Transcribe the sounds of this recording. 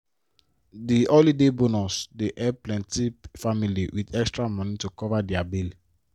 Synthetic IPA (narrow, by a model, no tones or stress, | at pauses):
diʔolidebonɔsdeʔɛplɛ̃ntifamiliwʔidɛkstɹamɔ̃nitukɔvadiabeli